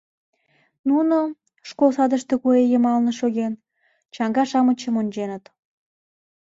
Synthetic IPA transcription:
nuno | ʃkolsɑd̪əʃt̪ekuejəmɑlnə̆ʃoɣen | t͡ɕɑŋɡɑʃɑmət͡ɕəmonʲt͡ɕenət̪

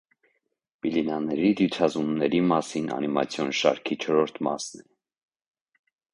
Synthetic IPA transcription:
b̥ilinɑnɛɾid̪jut͡sʰɑzumnɛɾimɑsinɑ̰nimɑ̰t͡sʰjɔnʃɑ̰ɾkʰit͡ʃʰɔɾɔɾt̪ʰmɑ̰snɛ

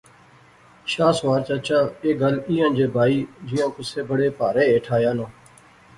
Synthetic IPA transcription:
ʃaːsʋaːɾt͡ʃat͡ʃaːeːɡəliːə̃ːnd͡ʒeːbʱaːiːd͡ʒɪːãːkʊseːbəɽeːpaːɾeːeːʈʰaːjãːnõː

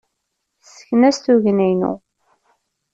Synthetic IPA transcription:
sə̥çnæsθuʝnæjnṵ

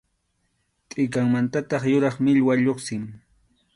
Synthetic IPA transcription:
t̪ʼɪkaŋmant̪at̪ɑχjʊɾɑχmɪʎwaʎoχsɪm

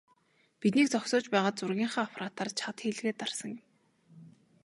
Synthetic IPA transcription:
pit̪niːk̚t͡sɔksɔːt͡ɕpæːʁaːt̪t͡sʊrɣʲiːɴχaːapʰɾaːt̪aːrt͡ɕʰat̪xiːɮɣeːt̪arsə̆ŋjɪ̆m

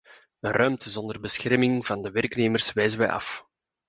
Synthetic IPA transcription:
ənrʔœɥmtəzɔndərbəsxɛrmɪŋv̥ɑndəʋɛrkneːmərsʋɛjzənʋɛjɑ̰f

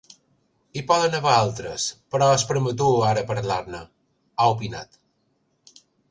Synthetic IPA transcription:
ipɔðənəβaalˠt̪ɾəspəɾɔəspəɾmət̪̬uaɾəpəɾlaɾnə | aupina̰t̪

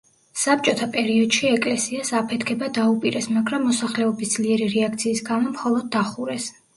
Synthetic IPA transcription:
sap̚t͡ʃʼɔt̪ʰapʼɛɾiɔd̪̥ʃiɛkʼlɛsiasapʰɛt̪ʰkʰɛbad̪aupʼiɾɛsmaɡɾamːɔsaχlɛɔbisd̪z̥liɛɾiɾɛak̚ʰt̪sʰiːsɡamɔmχɔlˠɔd̪̚ːaχuɾɛs

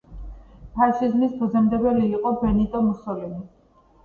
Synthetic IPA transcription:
pʰaɾʃizmisbɔzɛmd̪ɛbɛliːqʼɔbɛnit̪ʼɔmusɔlɛmi

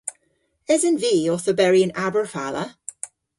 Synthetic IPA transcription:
ɪzə̃nviːɔθəbɛɹiə̃nabəɹfalə

